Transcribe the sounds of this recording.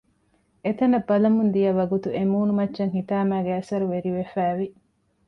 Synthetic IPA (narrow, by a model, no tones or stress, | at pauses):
et̪ɐnɐbːɐlɐmund̪ijɐʋɐɡut̪uemuːnumɐtːʃɐŋhit̪aːmæːɡeɐsɐɾuʋeɾiʋefæːʋi